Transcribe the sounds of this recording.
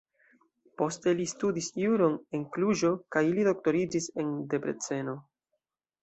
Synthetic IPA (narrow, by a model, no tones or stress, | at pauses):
po̞ste̞listudisjuɾo̞ne̞ŋkluʒo̞kajilido̞k̚to̞ɾid͡ʒise̞nde̞pɾe̞̰t͡se̞no̞